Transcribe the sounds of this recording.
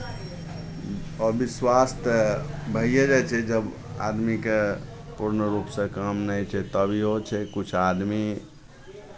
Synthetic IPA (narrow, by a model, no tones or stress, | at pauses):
əbiswast̪bʱəijed͡ʒajt͡ʃʰɛd͡ʒəb | a̰d̪mike | puɾnəɾupsə̃kamnəjt͡ʃʰɛt̪əbʱiɦot͡ʃʰɛkut͡ʃʰad̪mi